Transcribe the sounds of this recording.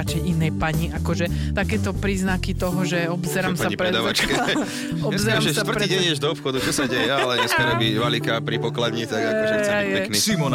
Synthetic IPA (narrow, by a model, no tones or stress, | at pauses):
at͡ʃɛjʔinɛjpaɲiʔakɔʒɛ | t̪akɛːt̪ɔpɾiːznakit̪ɔɦɔʒɛɔbzɛɾamsaaɲipɾɛd̪aat͡ʃkɛ | ɔbzɛɾamʃʋr̩ɾtiːɟɛɲiɛʒd̪ɔɔpxɔd̪ut͡ʃɔsaɟɛjɛalɛɲɛsmɛɾɲɛbiʋalikapɾipɔklad̪ɲit̪aɡakɔʃajajɛɛknismɔn